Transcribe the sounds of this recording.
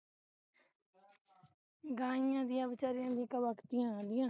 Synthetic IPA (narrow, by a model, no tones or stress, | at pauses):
ɡãːɪjãːd̪ɪjãːbɪt͡ʃaːɾɪjãːd̪ĩːkəʋəkt̪ɪjãːd̪ɪjãː